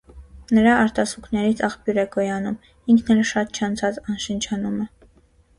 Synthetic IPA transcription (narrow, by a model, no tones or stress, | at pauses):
nəɾɑɑɾt̪ɑsuknɛɾit͡sʰɑχpjuɾɛkɔjɑnum | iŋkʰnɛlʃɑt̪̚t͡ʃʰɑnt͡sʰɑt͡sɑnʃənt͡ʃʰɑnumə